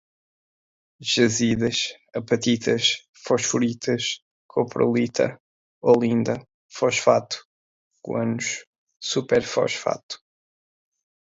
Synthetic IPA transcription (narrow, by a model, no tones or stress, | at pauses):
ʒɐziðɐʃ | ɐpɐt̪it̪ʰɐʃ | fɔʃfuɾit̪ʰɐʃ | kʰopɾo̰lˠit̪ʰɐ̰ | olˠĩnd̪ɐ | fɔʃfat̪u̥ | kwɐ̰nuʃ | supɛɾfɔ̰ʃfa̰t̪u̥